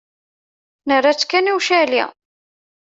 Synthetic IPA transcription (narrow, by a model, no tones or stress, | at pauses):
nərːat͡sːkːæniwʃælḭ